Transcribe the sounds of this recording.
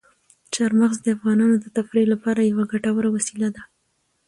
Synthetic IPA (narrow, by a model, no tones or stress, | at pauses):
t͡ʃaɾmaɣzd̪əafɣɑnɑnod̪ət̪afɾelapɑɾajawaɡaʈawəɾawasilad̪a